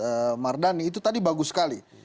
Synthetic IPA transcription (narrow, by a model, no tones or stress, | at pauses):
əmardaniːt̪̬ut̪adibaɡusə̥kali